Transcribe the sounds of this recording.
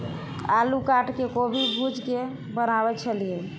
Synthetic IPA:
alukaʈkekobʱibʱud͡ʒke | bənabɛt͡ʃʰəlije

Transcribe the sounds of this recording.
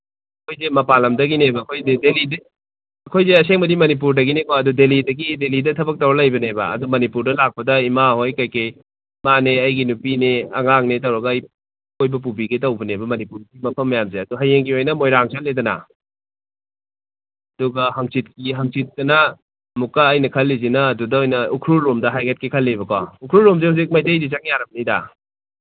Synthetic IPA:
ɐkʰojzemɐpalɐmdɐɡinebɐːkʰojdedelid | ɐkʰojzeɐseŋbɐdimɐnip̬uɾdɐɡinekoɐdudelidɐɡidelidɐtʰɐbɐk̚tɐwɾɐlɐjbɐnebɐ̰ɐ̰dumɐnipuɾdɐlak̚pɐdɐimaɦojkajkej | maneɐjɡinupineɐ̰ŋaŋnet̬ɐwɾɐɡɐːj | ojbɐp̬ubiɡetɐwbɐnebɐmɐnipuɾɡimɐpʰɐmːɐjamzeɐduɦɐjeŋɡiojnɐmojɾaŋsaledɐnɐ̰ | ɐduɡɐɦɐŋsit̚kiɦɐŋsit̚dɐnɐ | mukːaːjnɐkʰɐlːizinɐːdudɐojnɐukʰɾuɾomdɐɦajɡet̚kikʰɐlːibɐkɔukʰɾuɾomzehuzik̚majtejdit͡ʃaŋjaɾɐbɐnida̰

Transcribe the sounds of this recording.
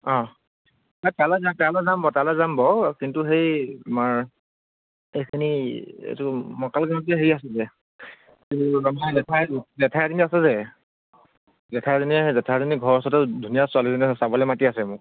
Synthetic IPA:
ɔ̃ | atalɛzatalazambɔtalɛzambɔkintuxejamaɹ | ejkʰiniḛjtumɔkalɡaɔtɛɦeɹiasɛzɛ | iamazɛtʰajzɛtʰajaziniasɛzɛ | zɛtʰazinizɛtʰaziniɡʱɔɹɔsɔtɛdʱunijaswalizɔnɛsabɔlɛmatiasɛmʊ

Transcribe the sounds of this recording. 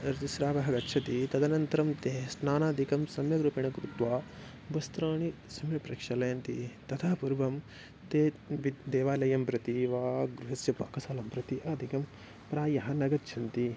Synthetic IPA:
ɾt̪isɾaːʋɐɦɐɡɐt̪ːʃʰɐt̪it̪ɐd̪ɐnɐnt̪ɐɾɐmt̪eːsnaːnaːd̪ʱikɐmsɐmjɐɡɾupɐɳ̃ɐkɾut̪ʋaː | bɐst̪ɾɐːɳi | sɐmjɐpɾɐkʂɐlɐjɐnt̪ḭt̪ɐt̪ʰaːpuɾbɐm | t̪eːʋid̪eːʋaːlɐjɐmpɾɐt̪iʋaːɡɾuɦɐsjɐpa̰ːkɐsaːlɐmpɾɐt̪iʔɐːd̪ʱikɐm | pɾaːjɐɦɐnɐɡɐtt͡ʃʰɐnt̪i

